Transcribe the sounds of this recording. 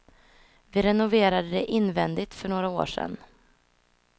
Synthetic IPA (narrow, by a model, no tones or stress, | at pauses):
vɪɾɛnʊveːɾad̪əd̪ɛʔɪnːvɛnd̪ɪt̪fœɳoːɾao̰ːʂɛ̰n